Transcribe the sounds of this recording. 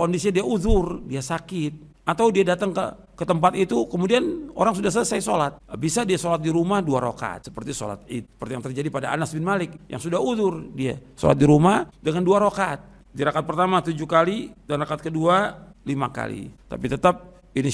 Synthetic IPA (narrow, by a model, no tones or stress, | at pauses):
kondisiɲadiauðʊrdiasakɪt̪̚ | at̪awdiadat̪aŋkə̰ | kət̪əmpat̪it̪ukəmudiano̰ɾaŋsudahs̬əsaisolat̪̚bisadiasolat̪̚diɾumahduaɾo̰ka̰t̪̚sə̥pərt̪iso̰la̰t̪̚iə̥pərt̪ijaŋt̪ərd͡ʒadipadaa̰nasbɪnmalɪk̚ja̰ŋsudahuðʊrdiaso̰la̰t̪̚diɾumahdəŋanduaɾokat̪̚ | diɾakat̪̚pərt̪amat̪ud͡ʒukalidanrakat̪̚kədualima̰ka̰lḭt̪a̰pit̪ət̪ap̚ | ini